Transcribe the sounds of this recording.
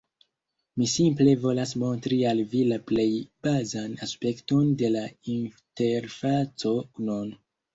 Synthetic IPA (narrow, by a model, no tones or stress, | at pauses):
misimple̞vo̞las̬mo̞ntɾialvilaple̞jb̥azanaspe̞kto̞nde̞lainte̞ɾfat͡so̞non